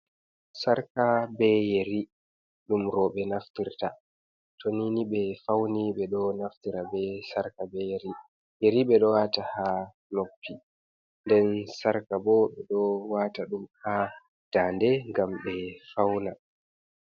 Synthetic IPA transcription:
saɾkabɛjeɾi | ɗumɾɔɓɛnaftiɾta | tʰoniniɓɛfawniɓɛɗɔnaftiɾabɛsaɾkabɛjeɾi | jeɾiɓɛɗɔwaːtaha | nopːi | ndɛnsaɾkabɔɓɛɗɔwaːtaɗumha | d̥aːndɛŋɡamɓɛfawna

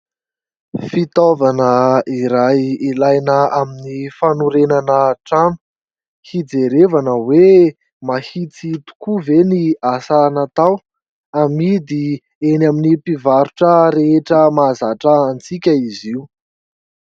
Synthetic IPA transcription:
fit̪ovanəiɾajilajnəaminifanuɾenanəʈ͡ʂanu̥ | hid͡zeɾevanəwe | mahit͡sit̪u̥kuveniasanat̪aw | amid̪i | enaminipivaɾuʈ͡ʂəɾeeʈ͡ʂəmazaʈ͡ʂəːnt͡sikʲəiziu

